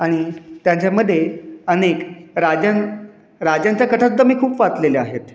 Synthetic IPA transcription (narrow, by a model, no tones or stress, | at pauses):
aɽ̃it̪jãɲt͡ɕaməd̪ʱːjeənekɾad͡ʑan | ɾad͡ʑjaɲt͡ɕjakəʈʰəd̪əmiːkʰuːpʋat͡s̪leleaɦet̪